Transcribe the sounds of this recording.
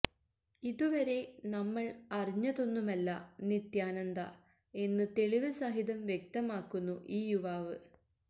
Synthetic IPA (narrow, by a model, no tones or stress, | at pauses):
iðuʋɐɾe̞nɐmːɐɭɐriɲːɐðo̞nːumɐlːɐnit̪jaːnɐnd̪ɐ̰ | e̞nːɨt̪e̞ɭiʋɨsɐɦiðɐmʋje̞k̚t̪ɐmaːkːunːuʔiːjuʋaːʋɨ̰